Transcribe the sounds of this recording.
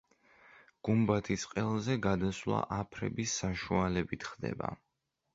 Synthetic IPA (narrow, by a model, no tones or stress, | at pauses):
ɡ̥umbat̪ʰisqʼɛlˠzɛɡad̪aslˠa̰ʔapʰɾɛ̰bisːaʃualɛbit̪ʰχd̪ɛ̰ba̰